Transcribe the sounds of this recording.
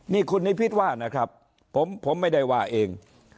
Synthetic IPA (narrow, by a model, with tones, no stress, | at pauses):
niː˥˩kʰu˧nːiː˦˥˩pʰi˦˥t̪̚waː˥˩na˦˥kʰɾa˦˥pʰː | o˩˦mpʰo˩˦mːa˥˩jda˥˩jwaː˧˩ʔeː˧ŋ